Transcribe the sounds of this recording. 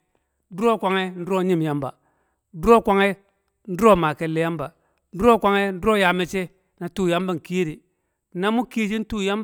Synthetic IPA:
du˦ɾo˦kʷa˨ŋe˦n̩˦do˦ɲi˦m˨ja˦mba̰˨ | du˦ɾo˦˨kʷa˦ŋe˦ | n̩˦du˦ɾo˦˨ma˨ke˨lːe˨ja˦mba˨˦ | du˦ɾo˦kʷa˦ŋe˦n̩˦du˦ɾo˦˨ja˨me˨t͡ʃe˦ | na˨tu˦ja˦mba˦ŋ˨kiː˦ɾi˨ | na˦mu˦ki˦d͡ʒi˦n˦tu˦ja˦mb

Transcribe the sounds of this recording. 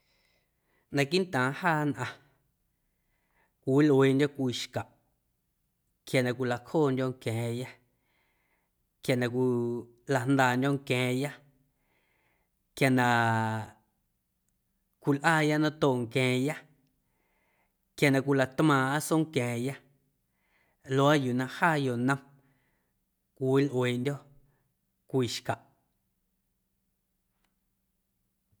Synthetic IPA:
nã˧ki˦nt̪ãː˨haː˦˨nʔã˧ | kʷi˨wi˦leː˧ndʲo˦kʷi˧ʃka˨ʔ | kja˨nã˧kʷi˧la˧kʰoː˦˨ndʲõ˧ŋkɛ̃ː˨ja˦ | kja˨nã˧kʷi˧ | la˨nd̪aː˧˨ndʲõ˧ŋkɛ̃ː˨ja˦ | kja˨nã˧ | kʷi˨lʔaː˦ja˦nã˦t̪o˦˨ŋkɛ̃ː˨ja˦ | kja˨nã˨kʷi˧˨la˨t̪mãː˨a˦so˦ŋkɛ̃ː˨ja˦ | lo˧a˦juː˨nã˧haː˦˨jo˨nə̃˧m | kʷi˨i˦lʔweː˨ʔndʲo˦ | kʷiː˨ʃka˨ʔ

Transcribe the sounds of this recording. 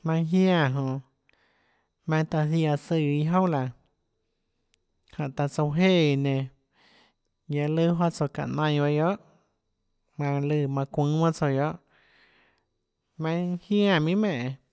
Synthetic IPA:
mã˧˦ɦjã˦˨ɦõ˧˨ | mã˧ŋ˧t̪a˧θi˧a˧sɨ˧˨i˧ɦõ˦la˨ | hã˨ʔt̪a˧t͡so˧ɦe˦ʔi˧˨nẽ˧ | ja˧lɨ˦ɦo˦t͡so˧˨ka̰˧˨ʔnã˧jba˧jo˦ʔ | mã˧lɨ˧˨mã˧kʷũː˦mã˦t͡so˧jo˦ʔ | mã˧ŋhja˦˨mĩ˦mẽ˧˨ʔ

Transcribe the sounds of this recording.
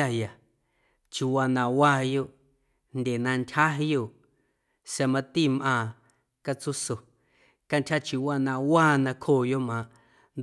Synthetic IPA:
a˧ja˨ | t͡ʃi˨wa˧nã˧˨wa˦˧jo˦˨ | nd̪ʲe˨nã˧ntʲha˦ɦi˧jo˧˨ | sa˧mã˧t̪i˦˨mʔã˧˨ | ka˧t͡su˦so˨ | ka˧nt̪ʲʰha˦t͡ʃi˧wa˧nã˧wa˦˨nã˧kʰoː˦˨jo˦˨mã˨ʔ | nd̪

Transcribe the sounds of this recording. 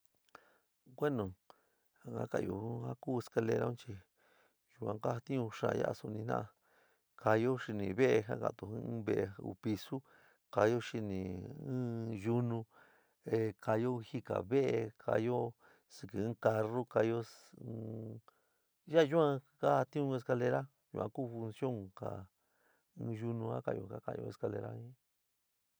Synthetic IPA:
kʷe˦nõ˨ | a˨a̰˦ka̰˧˨jo̰˧˨˦ha˦kuː˦˨e˧ska˧le˧ɾa˦ũ˦t͡ʃi˧ | ju˧ã˧ka˦˧t̪ĩ˦ũ˧ʂã̰˧ja̰˦ʔa̰˧su˧nĩ˧nã̰˦a˧ | ka˧jo˦ʃi˧nĩ˨βe˦e˧ɦa̰˦kã̰˧˨t̪ũ˨˧˦βe˦ʔṵ˧pi˧su˦ | ka˧jo˦ʃi˧nĩː˨˦ | ju˦nũ˧ | e˧kʰa˧jo˦˧hi˦ka̰˨βe˦ʔe˧kʰa̰˧jo˦ | sɨ˧kɨ˧ɨ̃˦ka˧ro˦ka˧jo˦˧ | ja˦˧ju˦ã˧ka˦˧t̪ĩ˦ũ˦˧e˧s̬ka˧le˧ɾa˦ | jṵ˧ʔã̰˧ku˦˨˧fu˧nsjo˦ŋka̰˨ | ɨ̃ː˧ʒu˧nũ˧a̰˦ka̰˧jo̰˧˨ka˦ka̰˧˨˧o̰˧e˧ska˧le˧ɾa̰˦ĩ˦

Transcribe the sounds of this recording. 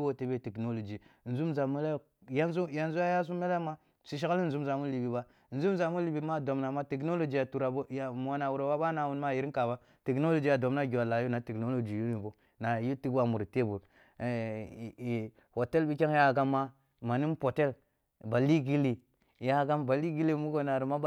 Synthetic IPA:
wo˦te˨be˦˨te˨kno˦lo˨d͡ʒi˨n̩˨zu˦mza˨me˦le˦ | ja˦nzu˦ja˨nzu˦a˦ja˦z̬u˦me˦le˦ma˦ | si˨ʃ̬i˦ka˦li˦n̩˨zu˦mza˨mu˦li˨bi˨ba˦˨ | n̩˨zu˦m˦za˨mu˦li˨bi˨ma˦˨do˨mna˨ma˦te˨k̬no˦lo˨d͡ʒi˨ja˨tu˨ɾa˨bo˦ja˨m˨a˦na˨wu˨ɾo˨wa˦ba˦na˨wu˦n˦ma˦˨ji˨ɾi˦ka˨ba˦ | te˨kno˦lo˨d͡ʒi˨ja˨do˨mna˦ɡʲi˨wa˨la˨˦ju˦na˨˦te˨kno˦lo˨d͡ʒi˨ju˦ni˨bo˨ | na˨ju˦ti˦ɡwa˨mu˨ɾi˨te˦bu˨ɾ | ho˨te˦lbi˦kʲe˦ŋ˦ja˦˨ɡa˦mːa˦ | ma˨ni˦m˦po˨te˦l | ba˨li˦ɡi˦li˨ | ja˦˨ɡa˦mba˨li˦ɡi˦li˦˨mu˦ɡo˦˨na˨ɾi˨ma˦

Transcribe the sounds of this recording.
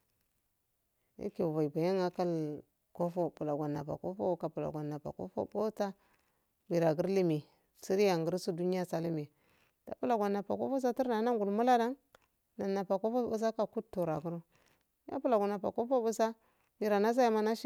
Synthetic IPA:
jḭ˦ke˨va˨i˨ba˨ja˦ŋa˦ka˦l | ko˦fo˦pu˨la˨ɡʷa˨nːa̰˨pa̰˨ko˦fo̰˦ka˨pu˨la̰˨ɡʷa˨nːa˨pa̰˨ko̰˦fo̰˦bo˦ta˦ | bi˨ɾa˨ɡu˦ɾli˦mi˨ | si˦ɾi˦ja˨ŋɡə˦ɾsu˦du˦ni˦a˦sa˦li˦mi˨ | ta̰˨pu˦la˨ɡʷa˨nːa˨pa˨ko̰˦fo˦s̬a˦ti˦ɾna˨˦na˦ŋɡu˨lmu˦la˦da˦ŋ | na˨na˨pa˨ko˦fo˦bu˦s̬a˦ka˨ku˦tːu˨ɾa˨ɡu˦ɾu˦ | ja̰˦pu˦la˨ɡa˨na˨pa̰˨ko˦fo˦bu˦sa˦ | bi˨ɾa˨na˦s̬a˦ja˨ma˦na˦ʃ

